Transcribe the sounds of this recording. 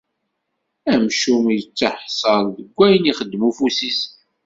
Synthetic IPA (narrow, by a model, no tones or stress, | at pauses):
æmʃumjət͡sːəħsˤəɾðəɡʷːæjniχəd̪ːmufusis